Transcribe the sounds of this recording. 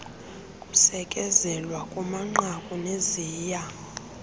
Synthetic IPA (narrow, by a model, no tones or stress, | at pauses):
kʼusɛkʼɛzɛlwakʼumaŋ͡ǃakʼuneziːja